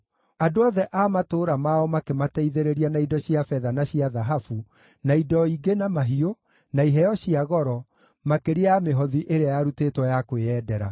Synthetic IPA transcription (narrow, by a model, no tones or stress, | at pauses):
adoɔðɛʔaːmatoːɾamaɔmakematɛiðeɾeɾianaidɔɕiafɛðanaɕiaðaɦafu | naidɔiɡenamaɦio | naiɦɛjɔɕiaɣɔɾɔ | makeɾeameɦɔðiʔeɾeajaɾuteːtwɔjakweɛːdɛɾa